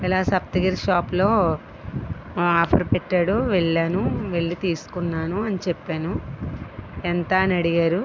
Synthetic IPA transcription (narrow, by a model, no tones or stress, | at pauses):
ilaːsɐp̚t̪ɐɡiɾʃaːplo̞ː | aːpʰɐɾpeʈːaːɽuʋeɭːaːnuʋe̞ɭːit̪iːsu̥kunːaːnuɐnit͡ʃepːaːnu | ent̪aːnɐɽiɡaːɾu